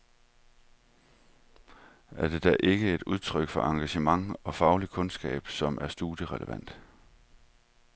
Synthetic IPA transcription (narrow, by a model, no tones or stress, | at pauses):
æɐd̥e̝d̥æʔe̝ɡ̥əe̝d̥uð̞ˠt͡sʰʁœɡ̥fɒ̽ʔɑ̈ŋɡ̥æɕəmɑ̈ŋɒ̽fɑ̈ʊlikʰɔ̽nsɡ̥ɛ̰ːb̥sɒ̽mʔæɐsd̥uðjəʁɛləʋæn̰d̥